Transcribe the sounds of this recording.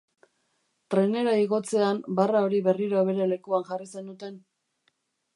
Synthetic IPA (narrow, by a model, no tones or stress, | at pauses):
t̪ɾe̞ne̞ɾaiɣo̞t͡se̞ambarao̞ɾiβe̞riɾoaβ̞e̞ɾe̞le̞kuanʝarise̞nd̪ut̪e̞n